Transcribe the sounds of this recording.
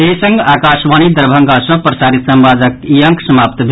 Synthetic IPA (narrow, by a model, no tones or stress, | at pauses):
esə̃ŋɡakasʋanid̪əɾbʱəŋɡasʌ̃pɾəsaɾit̪səmbad͡zəkijəŋkʰsəmaːp̚t̪bʱ